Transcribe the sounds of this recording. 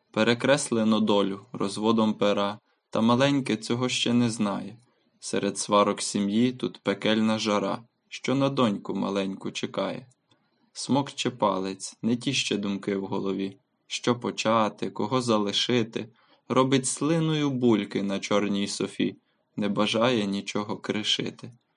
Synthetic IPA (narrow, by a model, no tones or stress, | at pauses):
peɾekɾɛslˠenɔd̪ɔlʲʊɾɔ̰zʋɔd̪ɔmpeɾɑ | t̪ɐmɐlˠɛnʲket͡sʲɔɦɔʃt͡ʃɛnɛznɑjɛ | sɛ̰ɾʔed̪sʋɑɾɔksʲimjit̪ut̪pekɛlʲnɐʒɐɾɑ̰ | ʃt͡ʃɔnɐd̪ɔnʲkʊmɐ̰lˠɛnʲkʊt͡ʃekɑjɛ̰ | smɔkt͡ʃɛpɑ̰lˠet͡sʲnɛt̬ʲiʃt͡ʃɛd̪ʊmkɪwɦɔlˠɔʋʲi | ʃt͡ʃɔpɔt͡ʃɑt̪ɪkɔɦɔzɐlˠɪʃɪt̪ɪ | ɾɔbɪtʲslˠɪnʊjʊbulʲkɪnɐt͡ʃɔrnʲijsɔfʲḭ | nɛbɐʒɑjɛnʲit͡ʃɔɦɔkɾɪʃɪ̰t̪ɪ